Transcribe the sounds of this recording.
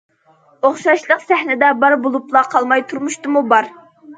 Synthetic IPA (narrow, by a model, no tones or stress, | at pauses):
oχʃɑʃlˠəqsæhnɪd̪ɛbɑɾbolˠuplˠɑqʰɑlˠmɑjt̪ʰuɾmuʃt̪ɨmubɑɾ